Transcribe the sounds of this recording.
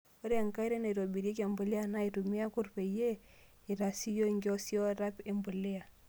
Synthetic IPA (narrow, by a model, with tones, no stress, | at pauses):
o˦ɾe˦a˨ŋka˦i˦ɾe˦na˨ɾo˨bi˨ɾe˦k̬a˨mbu˨li˦a˦˨na˦i˨tu˨mi˦a˦ku˦ɾpe˨je˦ | i˨ɾa˨si˦jo˦˨ŋɡi˦o˦si˦o˦ɾa˦pe˨mbu˨le˦a˨